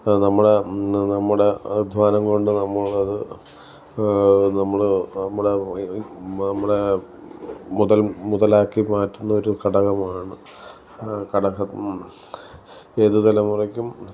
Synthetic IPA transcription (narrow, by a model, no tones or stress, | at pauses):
nɐmːuɽe̞nɐmːuɽe̞d̪ʱʋaːnɐmko̞ɳɖɨnɐmːɐɭɐðɨ | nɐmːɐɭnɐmːuɽe | nɐmːuɽe̞ | muðɐlmuðɐlaːkːimaːtːunːɐo̞ɾukɐɽɐɣɐmaːɳɨ | kɐɽɐɣɐ | eːðuðɐlɐmurɐkʲːum